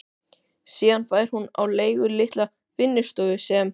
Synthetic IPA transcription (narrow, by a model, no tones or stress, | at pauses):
siːðanfaːjɾ̥huna̰wleːjɣʏlɪht̪la | fɪnːɪst̪œvʏsɛm